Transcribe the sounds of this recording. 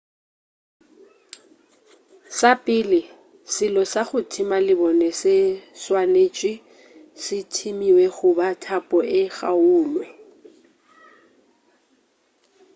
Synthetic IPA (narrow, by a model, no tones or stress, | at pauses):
sapʼɪlɪ | sɪlɔsaɣʊtʰɪmalɪbɔnɛsɪswaneːt͡ʃʼi | sɪtʰimiwɛɣʊbatʰapʼɔʔɪɣauːlwɛ